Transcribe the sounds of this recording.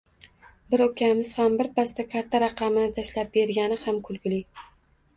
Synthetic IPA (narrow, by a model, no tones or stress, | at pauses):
bɪɾokʲʰamɪz̥hambɪɾpast̪akʲʰat̪ʰːaɾɑqɑmɪnɪt̪ʰaʃlap̚be̞ɾɡʲanɪhamkʰʊlˠɡʲɪlɪ